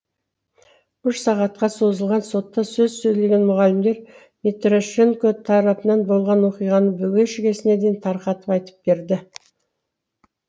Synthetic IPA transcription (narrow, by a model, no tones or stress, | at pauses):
ʏʃsɑʁɑt̪̚qɑso̞zəlˠʁɑnso̞t̪ːɑsɵzsɵjle̞ɡʲe̞nmʊʁɑlɪmd̪e̞ɾ | met̪ɾoʃe̞ŋkot̪ʰɑɾɑpənɑnbo̞lˠʁɑnwo̞qijʁɑnəbʏɡʲeʃɪɡʲe̞sɪne̞d̪ent̪ʰɑɾqɑt̪əpɑjt̪ə̥p̚be̞ɾd̪ɪ